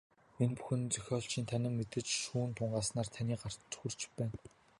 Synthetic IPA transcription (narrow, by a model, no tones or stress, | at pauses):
enpu̥xɘ̆nt͡sœxʲɔːɮt͡ɕʰiːnt̪ʰanʲɪ̆mːet̪ɘ̆t͡ɕʃuːnt̪ʰʊɴɢaːsnaːrt̪ʰaniːɢar̥t̪t͡sxur̥t͡ɕpæːn